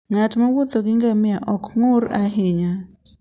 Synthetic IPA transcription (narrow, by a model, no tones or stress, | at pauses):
ŋatmawot̪ɔɡɪŋɡamɪaʔɔkŋʊɾaɦɪɲa